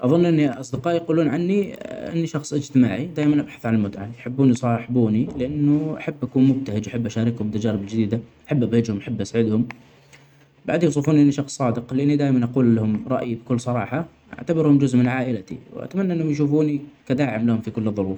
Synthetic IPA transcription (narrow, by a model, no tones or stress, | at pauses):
ʔɑðˤʊnːʔɪnːiʔɑsˤd̪ɪqɑːʔjquːluːnʕanːiʔɪ̰nːiʃɑxsˤʔɪd͡ʒt̪ɪmaːʕid̪aːjmanʔabħḁθʕalalmʊt̪ʕajħɪbːuːnisˤɑːħɪbuːnilɪʔanːʊʔaħabːʔakuːnmʊb̚t̪ahɪd͡ʒʔaħabːʔaʃaːɾɪkhʊmbt̪ːad͡ʒaːɾɪbɪld͡ʒɪd̪iːd̪aʔaħabːʔabhɪd͡ʒhʊmʔaħabːʔasʕɪd̪hʊm | ba̰ʕd̪juws̬ˤɨfuːnʔɪnːiʃɑxsˤːɑːd̪ɪqlɪʔanːid̪aːjmanʔɑquːlːahʊmɾˤɑʔjibɪkʊlːsˤɑɾˤɑ̰ːħɑ | ʔa̰ʕt̪abɪɾhʊmd͡ʒʊzʔmɪnʕaːʔɪlat̪ḭwʔa̰t̪amanːaɪnːhʊmjʃ̬uːfuːnikad̪aːʕɪmlahʊmfikʊlːɨðˤːʊɾuːf